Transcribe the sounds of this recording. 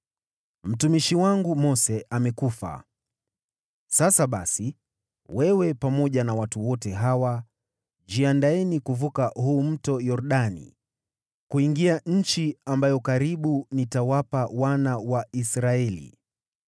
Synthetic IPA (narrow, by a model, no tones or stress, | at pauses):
m̩tumiʃiwaŋɡumɔsɛʔamɛkufa̰ | sasaɓa̰si | wɛwɛpamɔʄanawatuwɔtɛɦawa | d͡ʒiandaɛnikuvukahuːm̩tɔjɔɾɗanḭ | kuiŋɡiaɲ̩t͡ʃiambajɔkaɾiɓunitawapawanawaisɾaɛlḭ